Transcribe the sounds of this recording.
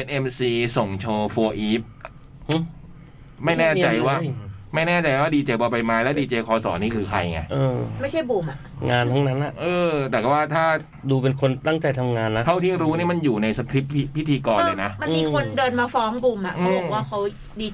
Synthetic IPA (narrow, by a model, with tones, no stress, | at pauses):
pe˧nʔe˧msiː˧so˨˩ŋt͡ɕʰoː˧foː˧ʔiː˦˥p̚ | h | ma˥˩jnɛː˥˩t͡ɕa˧jwaː˥˩ma˥˩jnɛː˥˩t͡ɕa˧jwaː˥˩diː˧t͡ɕeː˧bɔː˧˩pa˧jmaː˧˥lɛː˦˥wdiː˧t͡ɕeː˧kʰɔː˧sɔ̰ː˩˦niː˥˩kʰɯː˧kʰa̰˧jŋa̰˧˩ʔɤː˧ma˥˩jt͡ɕʰa˥˩jbuː˧˩mʔa˨˩ | ŋaː˧nt̪ʰa˦˥ŋna˦˥nʔa˨˩ʔɤː˧t̪ɛː˨˩ka˨˩waː˥˩t̪ʰaː˥˩ | duː˧pe˧nkʰo˧nt̪a˥˩ŋt͡ɕa˧jt̪ʰa˧mŋaː˧nːa˦˥t̪ʰa˥˩wt̪ʰiː˥˩ɾuː˦˥niː˥˩ma˧njuː˨˩na˧jsa˧kʰɾi˦˥p̚pːi˦˥pːi˦˥t̪ʰiː˧kɔː˧lːlɤː˧jna˦˥ma˧miː˧kʰo˧ndɤː˧nmaː˧fɔː˦˥ŋbuː˧mʔa˨˩ʔɯa˦˧˦waː˥˩kʰa˦˥w | diː˧